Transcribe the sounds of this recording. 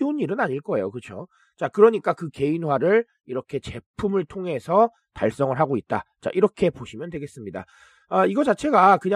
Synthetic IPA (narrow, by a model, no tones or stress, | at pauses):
uniɾɯnaɲiɭk͈ʌe̞jokɯt͡ɕʰo | t͡ɕakɯɾʌɲik͈akɯke̞inwaɾɯɭ | iɾʌkʰe̞t͡ɕe̞pʰumɯɭtʰoŋɦe̞sʰʌ | taɭs͈ʌŋɯɭɦaɡoit̚t͈a̰t͡ɕa̰ʔiɾʌkʰe̞poɕʰimjʌndwe̞ɡe̞s͈ɯmɲida̰ | ʌiɡʌt͡ɕat͡ɕʰe̞ɡakɯɲa